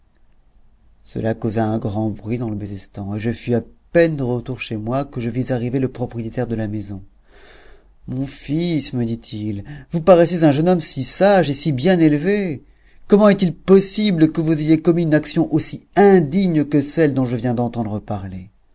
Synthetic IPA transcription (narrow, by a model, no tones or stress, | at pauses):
sə̰lakozaɛ̃ɡʁɑ̃bʁɥid̪ɑ̃ləbezɛst̪ɑ̃eʒəfyapɛnd̪əʁət̪uʁʃemwakəʒəvizaʁiveləpχɔpχijet̪ɛʁd̪əlamezɔ̃ | mɔ̃fisməd̪it̪ʰilvupaʁɛsezɛ̃ʒənɔmsisaʒesibjɛ̃nelve | kɔmɑ̃ɛt̪ilpɔsibləkəvuzejekɔmiynaksjɔ̃ʔosiɛ̃d̪iɲkəsɛld̪ɔ̃ʒəvjɛ̃d̪ɑ̃t̪ɑ̃d̪ʁəpaʁle